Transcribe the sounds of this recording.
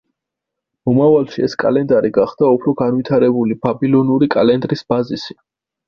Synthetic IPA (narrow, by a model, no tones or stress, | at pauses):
mɔmavalˠʃiɛskʼa̰lɛnd̪aɾiɡaχd̪aupʰɾɔɡanvit̪ʰaɾɛbulibabilˠɔnuɾikʼalɛnd̪ɾisbazisi